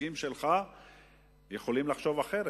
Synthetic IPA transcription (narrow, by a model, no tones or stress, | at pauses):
imʃelχa | jeχo̞limlaχʃo̞vaχe̞ɾ